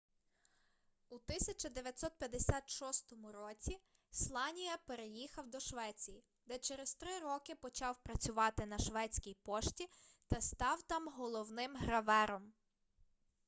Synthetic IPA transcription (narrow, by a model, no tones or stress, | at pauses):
ut̪ɪsʲɐt͡ʃɐd̪eʋʲjɐt̪ʲsɔt̪̚pʲjɐd̪esʲat̪ʃɔst̪ɔmʊɾɔt͡sʲi | slˠɑnʲijɐpeɾejixɐwd̪ɔʃʋɛt͡sʲiji | d̪ɛt͡ʃeɾezt̪ɾɪɾɔkɪpɔt͡ʃɑwpɾɐt͡sʲʊʋɑt̪ɪnɐʃʋɛt͡sʲkʲijpɔʃtʲit̪ɐst̪ɑwt̪ɑmɦɔlˠɔwnɪmɦɾɐʋɛɾɔm